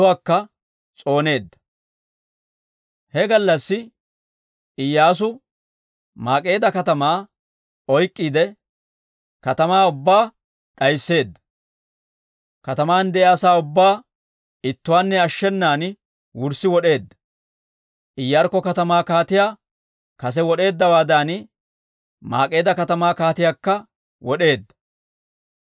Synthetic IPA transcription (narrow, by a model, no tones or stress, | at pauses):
aːkːɐ | t͡sʼo̞ːne̞ːd̪ːɐ̥ | hɛɡɐlːɐsːɪ | ɪjːaːs̬ʊ | maːkʼːe̞ːd̪ɐkɐt̪ɐmaː | ɔjkʼːiːd̪ɛ | kɐt̪ɐmaːʊbːaː | ɗɐjsːe̞ːd̪ːɐ̥ | kɐt̪ɐmaːnd̪ɛʔɪaːsaːʊbːaː | ɪt̪ːʊwaːnːɛɐʃːɛnːaːn | wʊɾsɪwɔɗe̞ːd̪ːɐ̥ | ʔɪjːaɾkːɔkɐt̪ɐmaːkaːt̪ɪjaː | kɐs̬ɛwɔɗe̞ːd̪ːɐwaːd̪aːn | ma̰ːkʼe̞ːd̪ɐkɐt̪ɐmaːkaːt̪ɪjaːkːɐ | wɔɗe̞ːd̪ːɐ̥